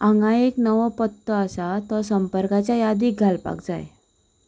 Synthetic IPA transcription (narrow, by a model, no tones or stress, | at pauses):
ãŋɡaeknəʋəpət̪ːəəsat̪əsəmpəɾkat͡ɕjajad̪iːkɡʱalpa̰k̚d͡za̰j